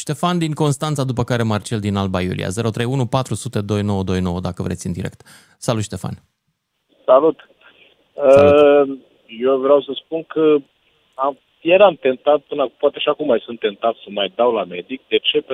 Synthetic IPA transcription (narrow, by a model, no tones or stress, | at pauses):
ʃt̪e̞fand̪iŋko̞nst̪ant̪sad̪upəkaɾe̞mart͡ʃeld̪inalbajṵlḭa̰ze̞ɾo̞t̪ɾe̞junupat̪ɾusut̪e̞d̪o̞jno̞wəd̪o̞jno̞wəd̪akəvɾet̪sʲɨnd̪iɾʔe̞k̚t̪ | salut̪ʃt̪e̞fa̰n | salut̪ | ə | jevɾeawsəspunkə | am | jeɾamt̪e̞nt̪at̪̚pɨnapoat̪eʃiakumːajsunt̪ːe̞nt̪at̪səmajd̪awlame̞d̪ik̚d̪e̞t͡ʃe̞pe